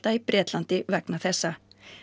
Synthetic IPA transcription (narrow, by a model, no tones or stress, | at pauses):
t̪aipɾʔɛːt̪lant̪ɪvɛknaθɛsːa